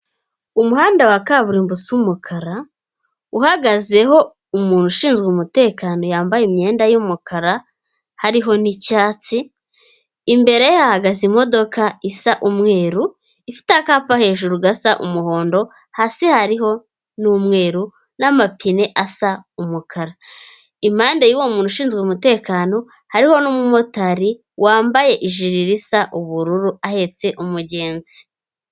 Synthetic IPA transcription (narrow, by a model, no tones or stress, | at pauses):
umuhaːndawakaβuɾiːmbusiumukʰaɾa | uhaɡaze̞ɦo̞ | umuːn̥uʃiːnzɡumute̞ːkaːno̞jaːmbajimɲe̞ːndajuːmukʰaɾa | haɾiɦo̞nicaːt͡siː | mbe̞ɾe̞jehahaɡazimo̞do̞kaisaʔumŋe̞ːɾu | ifi̥teakaːpahe̞ːʒuɾuɡasaʔṵmuho̞ːndo̞ | hasihaɾiho̞ | numŋe̞ːɾu | namapʰineʔasaumukʰaɾa | imhaːndejiwomuːnuʃiːnzɡwemute̞ːkaːno̞ | haɾiho̞nuːmumo̞taɾi | wʔaːmbaje̞ʔiʒiɾiɾisaʔuβuɾuɾuahe̞t͡se̞ʔumuɟe̞ːnzi̥